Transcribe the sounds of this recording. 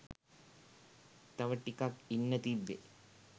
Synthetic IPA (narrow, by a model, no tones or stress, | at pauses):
t̪ɐʋɐʈːikakinːɐt̪ibjḛ